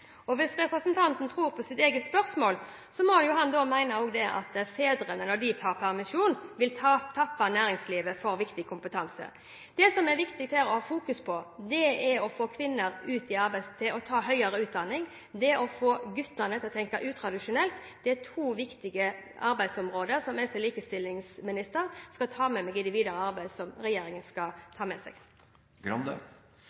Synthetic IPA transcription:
ɔʋɪsɾɛpʁəsnt̪ʰɑnt̪nt̪ʰɾuːɾpʰɔsɪt̪eːɡəspœɾsmoːl | sɔmɔhɑnjʊɦɑnd̪ɔmæɪnɑoːɡd̪ɛʔɑ̰t̪feːd̪ɾənənɔɖ̪ɪt̪ʰɑːpʰæʁmɪʂuːnʋɪlt̪ʰt̪ʰɑpːɑnæːɾɪŋsliːʋəfɔɾʋɪkt̪ɪkʰʊmpət̪ʰɑnsə̰ | d̪̥ɛsɔmɛɾʋɪkt̪ɪɡt̪ʰæɾɔhɑːfuːkʉspʰɔd̪ɛɛɾɔfoːkʰʋɪnːəɾʉːt̪ɪɑɾbæɪst̪ʰɪʔɔt̪ʰɑːɦœʏəɾəʉːt̪̚d̪ɑnɪŋ | d̪ɛʔɔfoːɡʉt̪ːənət̪ʰɪlt̪ʰɛŋkɑʔʉːt̪ʰɾɑd̪ɪʂʊnɛlt̪d̪̥ɛt̪ʰuːʋɪkt̪ɪɡəɑɾbæɪd̪sɔmʁoːd̪əsɔmɛst̪ɛliːkəst̪ɪlːɪŋsmɪnɪst̪əʁskɑt̪ʰɑːmɛmɛɡɪnd̪ɪʋiːd̪əɾəɑɾbæɪd̪sɔmɾɛjeːɾɪŋənskɑt̪ʰɑːmɛsɛ̰ɡ̥ | ɡɾɑnd̪ə

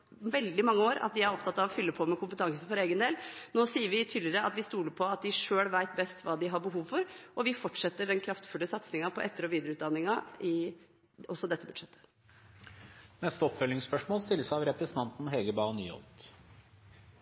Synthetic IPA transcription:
ʋɛld̪ɪmɑŋːəoːɾɑ̰t̪̚d̪ɪæɾɔp̚t̪ʰɑt̪ːɑʋɔfʏlːəpʰɔmɛkʊmpət̪ʰɑŋsənfɔɾeːɡənd̪eːlnoːsiːəɾʋɪt̪ʰyːd̪lɪəɾəɑt̪ʋɪst̪uːləɾpʰɔɑt̪̚d̪ɪʂøːɽʋæɪt̪bɛst̪ʋɑːd̪ɪɦɑbəɦuːʋfɔɾʔɔʋɪfɔʈːʂɛt̪ːəɖɛnkʰɾɑft̪fʉlːəsɑt̪snɪŋɑpʰɔʔɛt̪ːəɾɔʋiːd̪əɾəʉːd̪ɑnːɪŋɑɪ | ɔsːɔd̪ɛt̪ːəbʉd̪̥ʂɛt̪ʰːə̥ | nɛst̪əɔpfœlːɪŋspœʂmoːlst̪ɪlːəsɑʋɾɛpɾɛsnt̪ʰɑnt̪n̩ɦɛɡəbɑːny̰ːɔ̰lt̪

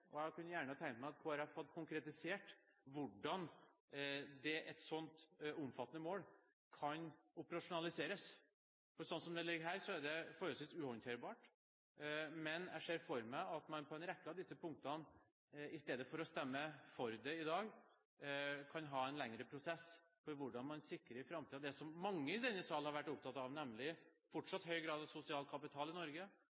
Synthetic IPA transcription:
ʔɔjækʰʉnːjæːɳəɑt̪ʰɛŋkt̪mæɪɑt̪kʰɔɾæfɔt̪̚kʰʊŋkɾɛt̪ɪseːʈʋʊɖːɑn | d̪ɛʔɛt̪sɔnt̪ʊmfɑt̪ːənəmoːl | kʰɑnʊpəɾɑʂʊnɑlɪseːɾəs | fɔɾsɔnsɔmd̪ɛlɪɡːɦæːɾʂɔæɖɛfɔɾøːsʋiːsʉːhɔɾɪnt̪ʰeːɾbɑːʈ | mɛnæ̰ʂeːɾfɔɾmæɪɑt̪mɑnpʰɔɛnɾɛkːəɑʋd̪ɪsːəpʰʊŋk̚t̪ɑn | ɪst̪eːd̪əfɔɾɔst̪ɛmːəfɔɾd̪ɛɪd̪ɑːɡ | kʰɑnɦɑːɛnlɛŋɾəpʰɾʊsɛs | fɔɾʋʊɖɑnmɑnsɪkːɾəɾɪfɾɑmt̪iːd̪ɛsɔmːɑŋːəɪd̪ɛnːəsɑlnhɑɾʋæʈːʊp̚t̪ʰɑt̪ɑʋnɛmlɪfɔʈʂɑt̪ːhœʏɡɾɑːd̪ɑʋsʊsɪɑːlkʰɑpɪt̪ʰɑːlɪnɔɾɡə

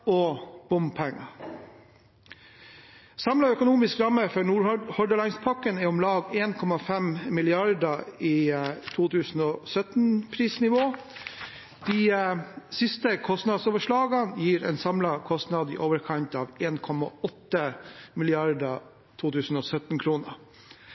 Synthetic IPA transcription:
ɔb̥ʊmpʰɛŋːɑ | sɑmlɑœkʊnuːmɪskɾɑməfɔɳuːɾhɔɖ̪əlɑɪŋspʰɑkənɛɔmlɑːɡeːnkʰɔmɑfɛmmɪlɪɑɾd̪ɑit̪ʰuːt̪ʰʉːsn̩ɔːsœt̪n̩pʰɾiːsnɪʋoː | d̪̥i | sɪst̪əkʰɔst̪nɑd̪soːʋəʂɭɑːɡɑnjiːɾɛ̰ːnsɑmlɑkʰɔst̪nɑd̪ɪ̰ʔoːʋəɾkʰɑɲt̪ɑːʋeːnkʰɔmɑ̰ɔt̪ːəmɪlɪɑɾd̪ə | t̪ʰuːt̪ʰʉːsn̩ɔːsœt̪n̩kʰɾuːnə

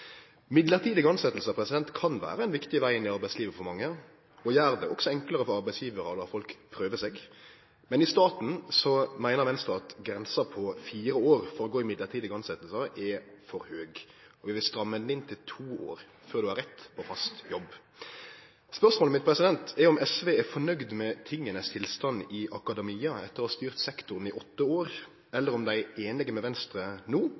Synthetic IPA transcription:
mɪd̪ləʁt̪ʰiːd̪ɪɡɑnsɛt̪l̩səpʰɾɛsɪd̪ɛnt̪kʰɑnʋæ̰ːɾəɛnʋɪkt̪ɪʋæɪɪnɪɑɾbæɪsliːʋəfɔɾmɑŋːə | ɔjæːɾd̪ɛʔɔksɔɛŋkləɾəfɔɾɑʁbæɪsjiːʋəɾəd̪ɑfɔlkpʰɾøːʋəseːɡ | mɛnɪst̪ɑːt̪n̩sɔmæɪnəʁʋɛnst̪ɑːɑt̪ɡɾɛnsɑpʰɔfiːɾəoːɾfɔɾɔɡoːɪmɪd̪ləʁt̪ʰiːd̪əɡɑnsɛt̪l̩səʔɛfɔɾhøːɡ | ɔʋɪʋɪlst̪ɾɑmːəd̪nɪnt̪ʰɪlt̪ʰuːo̰ːɾ | føːɾd̪ʉɑɾɛt̪ːpʰɔfɑst̪jɔb | spœʁsmoːləmɪt̪̚pʰɾɛsɪd̪ɛnt̪ʰɛɔmɛsʋeːɛfɔnœɡd̪mɛt̪ʰɪŋːənəst̪ʰɪlst̪ɑnɪʔɑkɑd̪ɛmiːɑɛt̪ːəɾɔhɑst̪yːʁt̪sɛkt̪ʊʁnɪʔɔt̪ːəoːɾ | ɛlːəɾɔmd̪æɪeːnlɪɡəmɛʋɛnst̪ɾənuː

